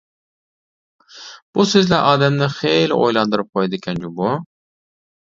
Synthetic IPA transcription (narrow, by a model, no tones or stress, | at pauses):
b̥usøzlæʔɑːd̪æmnɪχejlo̰jlˠɑnd̪ɨɾɯp̚qʰojd̪ɪkʲʰænd͡ʒubu